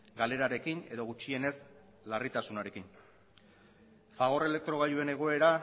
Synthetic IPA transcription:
ɡale̞ɾaɾe̞kine̞ðo̞ɣut͡ʃie̞ne̞s | larit̪asunaɾe̞kin | faɣ̞o̞re̞le̞k̚t̪ɾo̞ɣ̞aʎue̞ne̞ɣ̞o̞e̞ɾa

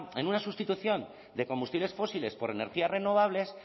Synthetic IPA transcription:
e̞nunasust̪it̪uθjo̞n | d̪e̞ko̞mbust̪iβle̞sfo̞sile̞spo̞ɾe̞ne̞ɾxiare̞no̞β̞aβle̞s

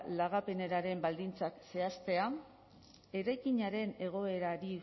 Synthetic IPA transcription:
laɣape̞ne̞ɾaɾe̞mbald̪int͡sakse̞ast̪e̞a | e̞ɾajkiɲaɾe̞ne̞ɣ̞o̞e̞ɾaɾi

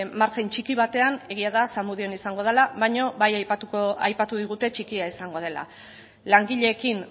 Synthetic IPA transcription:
maɾkent͡ʃikiβ̞at̪e̞ane̞ɣ̞iaðasamuðio̞nisaŋɡo̞ð̞elaβajɲo̞βajajtuajpat̪uðiɣ̞ut̪e̞t͡ʃikiaisaŋɡo̞ð̞e̞la̰ | laŋɡiʎe̞ːkin

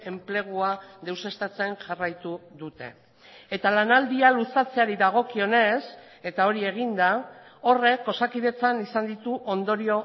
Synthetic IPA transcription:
e̞mple̞ɣ̞uaðe̞wse̞st̪at͡se̞ŋʝarajt̪uðut̪e̞̰ | e̞t̪alanald̪ialusat͡se̞aɾiðaɣ̞o̞kio̞ne̞s | e̞t̪ao̞ɾie̞ɣ̞ind̪ao̞re̞kːo̞sakiðe̞t͡sanisand̪it̪uʔo̞nd̪o̞ɾio̞

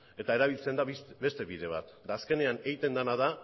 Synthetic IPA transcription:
e̞t̪ae̞ɾaβ̞ilt͡se̞nd̪aβe̞st̪e̞βiðe̞β̞a̰t̪ | d̪aːske̞ne̞aneit̪e̞nd̪anaða

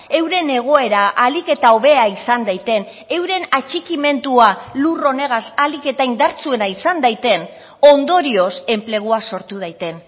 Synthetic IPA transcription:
e̞wɾe̞ne̞ɣ̞o̞e̞ɾaʔalike̞t̪ao̞βe̞aisand̪ajt̪e̞n | e̞wɾe̞nat͡ʃikime̞nt̪ualuro̞ne̞ɣ̞asalike̞t̪aind̪aɾt͡sue̞naisand̪ajt̪e̞n | o̞nd̪o̞ɾio̞se̞mple̞ɣ̞uaso̞ɾt̪uð̞ajt̪e̞n

